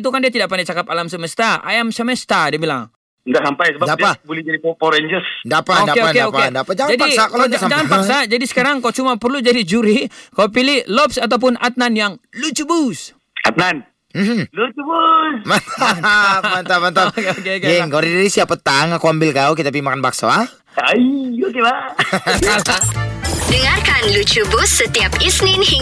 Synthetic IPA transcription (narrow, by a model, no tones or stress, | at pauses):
t̪̬ukandiat̪̬idaʔpandat͡ʃakapalamsəməst̪aa̰jamsəmɛst̪adiabila̰ŋ | ndaʔsampajsəbadapabolɛd͡ʒadipopoɾɛɲd͡ʒəsdapadaepakdaopaendapad͡ʒaŋd͡ʒadasakalaasad͡ʒaŋanpakssad͡ʒadisə̥kaɾaŋkaut͡ʃumapərlud͡ʒadid͡ʒuɾikaupilɪhlɔpsat̪ap̬ʊnʔat̪̚nanjaŋlut͡ʃubus | a̰t̪̚nan | m̩m̩lut͡ʃubusmat̪amant̪amant̪aokekeŋkaɾidaɾisiapət̪aŋakuambɪlkauk̬it̪apimakanbak̚saa | aiokeba | dəŋarkanlut͡ʃubusːət̪iapisnɪnhi